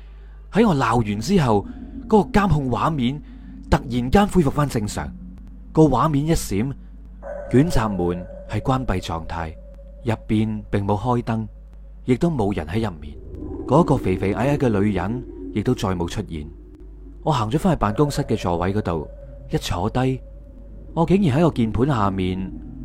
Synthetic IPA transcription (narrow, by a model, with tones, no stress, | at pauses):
hɐ˨˥jŋɔː˨˧laː˨wjyː˨˩nt͡siː˥ɦɐ˨wkɔː˨˥kɔː˧kaː˥mɦʊ˧ŋwaː˨˥miː˨˥n | t̪ɐ˨k̚jiː˨˩nkaː˥nfu˥jfʊ˨kfaː˥nt͡sɪ˧ŋsœ̰ː˨˩ŋ | kɔː˧waː˨˥miː˨˥njɐ˥t̚siː˨˥m | kyː˨˥nt͡saː˨p̚muː˨˩n | hɐ˨jkwaː˥npɐ˧jt͡sɔ̰ː˨ŋt̪ʰaː˧j | jɐ˨pːiː˨npɪ˨ŋmo˨˧wɦɔː˥jt̪ɐ˥ŋ | jɪ˨k̚t̪o˥wmo˨˧wjɐ̰˨˩nhɐ˨˥jɐ˨p̚mḭː˨˩nkɔː˨˥kɔː˧fe˨˩jfe˨˩ʔaː˨˥jʔaː˥kɛː˧lɵ˨˧ɥjɐ̰˨˥njɪ˨k̚t̪o˥wt͡sɔː˧jmo˨˧wt͡ʃʰɵ˥t̚jḭː˨˩n | ŋɔː˨˧ɦaː˨˩ŋt͡ʃɔ˨˥faː˥hɐ˨˩paː˨nkʊ˥ŋsɐ˥t̚kɛː˧t͡sɔː˨wɐ˨˥jkɔː˨˥t̪o˨w | jɐ˥t̚t͡ʃʰɔ̰ː˨˥t̪ɐ˥j | ŋɔː˨˧ke˨˥ŋjiː˨˩nɦɐ˨˥jŋɔː˧kiː˧npʰu˨˥nhaː˨˩miː˨n